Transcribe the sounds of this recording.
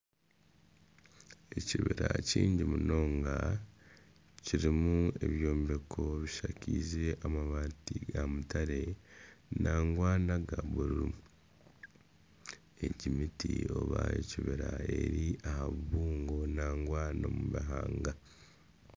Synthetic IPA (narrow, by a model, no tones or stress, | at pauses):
e̞ciβeɾaciːɲɟimuno̞ːŋɡa | ciɾimue̞βjo̞ːmbe̞kʰo̞βiʃakiːzeʔamaβaːtiɡamutaɾe̞naːŋɡwaːnaɡaβuɾu | eɟimitḭo̞̰βaḛciβeɾae̞ɾiahaβuβuːŋɡo̞naːŋɡwaːnomuβaɦaːŋɡa